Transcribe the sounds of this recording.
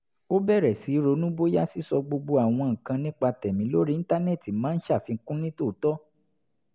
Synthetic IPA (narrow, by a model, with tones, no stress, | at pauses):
o˦bɛ˦˨ɾɛ˨si˨˦ɾo˧˦nũ˦bo˦ja˦si˦sɔ˧ɡ͡bo˧ɡ͡bo˧a˨w̃ɔ̃˧ŋ̩˨kã˧nĩ˦k͡pa˧tɛ˨mĩ˨˦lo˦ɾi˦ĩ˦ta˦nɛ˦˨ti˨mãː˨˦n̩˦ʃa˦˨fi˧ŋ̩˦kũ˦nĩ˦to˦˨˦tɔ˦